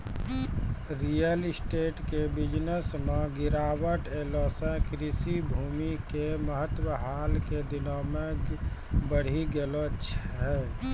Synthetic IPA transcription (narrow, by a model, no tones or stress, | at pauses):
ɾijəlsʈeːʈkebɪd͡ʒnəsmẽɡɪɾaːwəʈeːlosɛ̃kɾisibʱuːmikeməɦət̪wəɦaːlked̪ɪnɔːmekbəɽ̤iɡelot͡ʃʰɦɛː